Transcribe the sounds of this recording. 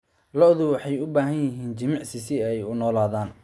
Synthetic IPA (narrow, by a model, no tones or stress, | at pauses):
lɔʔðʊwɑħɑjʊbaːɦɐnjɐɦiːnt͡ʃɐmɑʕsɪsɪɛjʊnɔːlaːðaːn